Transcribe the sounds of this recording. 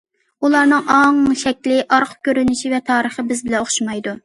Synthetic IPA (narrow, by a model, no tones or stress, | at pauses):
ulˠɑɾnɨŋʔɑŋʃɛkʲlɪʔɑɾqʰə̥kʲʰøɾynɪʃivɛt̪ʰɑːɾəχəbɪzbɪlɛnoχʃimɑjd̪u